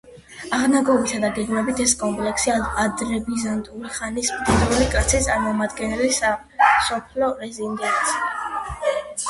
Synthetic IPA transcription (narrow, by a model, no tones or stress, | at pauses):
aʁnaɡɔvisad̪aɡɛɡmɛbit̪ʰɛskʼɔmpʼlɛksiaad̪ɾɛbizant̪ʼuliχanismd̪id̪ɾulikʼat̪sʰist̪sʼaɾmɔmad̪ɡɛnɛlisa | sɔpʰlɔɾɛzind̪ɛnt̪si̥